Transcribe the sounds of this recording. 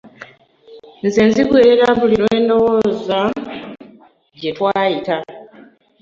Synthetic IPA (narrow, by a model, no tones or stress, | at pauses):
nzenziɡwe̞ːɾe̞ɾaβuliɾwe̞ːndo̞wo̞ːza | de̞twaːjita